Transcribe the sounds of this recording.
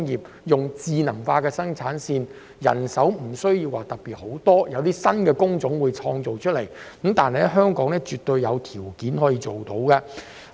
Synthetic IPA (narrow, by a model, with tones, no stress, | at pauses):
ŋjiː˨p̚ | jʊ˨ŋt͡siː˨˧nɐ˨˩ŋfaː˧kɛː˧sɐ˥ŋt͡ʃt͡sʰaː˨˥nsiː˧n | jɐ̰˨˩nsɐ˨˥wm̩˨˩sɵ˥ɥji˧waː˨t̪ɐ˨k̚piː˨t̚ho˨˥wt̪ɔː˥jɐ˨˧wt̪iː˥sɐ˥nkɛː˧kʊ˥ŋt͡sʊ˨˥ŋwuː˨˧jt͡ʃʰɔː˧ŋt͡so˨wt͡ʃʰɵ˥le˨˩jkə˨˥mt̪aː˨nɦe˨˩lɛ˥ɦœː˥ŋkɔː˨˥ŋnɛː˥t͡ʃyː˨t̪ɵ˧ɥjjɐ˨˧wt̪ʰiː˨˩wkiː˨˥nɦɔː˨˥jiː˧t͡ʃo˨wt̪o˨˥wkɛ˧